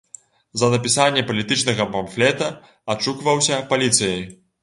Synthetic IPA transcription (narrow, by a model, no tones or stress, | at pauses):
zɐnɐpʲisanʲːɛpɐlʲit̪ɨt͡ʂnɐɣɐpɔmflʲɛt̪ɐ | at͡ʂukvɐwsʲɐpalʲit̪sɨjɐj